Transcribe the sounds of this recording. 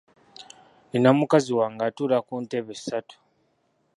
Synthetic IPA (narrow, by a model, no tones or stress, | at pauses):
ninamukaziwaŋɡaːtulakuːnteβesːatu̥